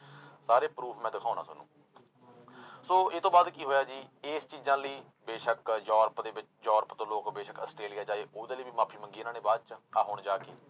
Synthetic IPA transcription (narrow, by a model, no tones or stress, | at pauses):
saːɾeːpɾuːpʰmɛ̃ːd̪ɪkʰaːnã̰ːsʊnṵ̃ː | soːɪt̪õːbaːd̪kiːɦoːjaːd͡ʒiːeːst͡ʃiːzãːləiː | beːʃəkd͡ʒɔːɾpd̪eːbɪt͡ʃd͡ʒɔːɾpt̪õːloːkbeːʃəkəsʈɾeːlijaːd͡ʒaːeːʔoːd̪eːliːbiːmaːpʰiːməŋɡiːnaːneːbaːd̪t͡ʃaːɦoːɳd͡ʒaːkeː